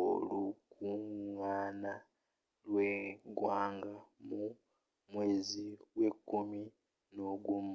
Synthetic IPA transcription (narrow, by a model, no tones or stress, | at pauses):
o̰lukuŋaːna | lweɡwaːŋɡamu | mweːziwe̞kumi | noɡum